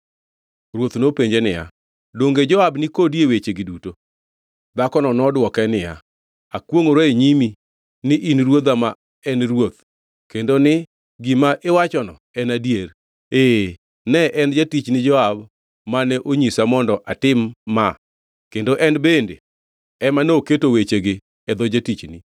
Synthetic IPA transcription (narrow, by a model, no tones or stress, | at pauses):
ɾwot̪nopeɲd͡ʒenɪja̰ | doŋɡed͡ʒɔabnɪkodjewet͡ʃeɡiduto | d̪akɔnɔnɔdwɔkɛnɪja̰ | akwoŋoɾoeɲimi | nɪʔinɾwod̪ama | ɛnɾwot̪ | kendonɪ | ɡimaʔewat͡ʃɔnɔ | ɛnadijer | e | nɛʔɛnd͡ʒatit͡ʃnɪd͡ʒɔab | manɛʔoɲisamɔndɔʔatɪmːa | kendoʔɛnbendḛ | ɛmanoketowet͡ʃeɡɪ | ɛd̪ɔd͡ʒatit͡ʃni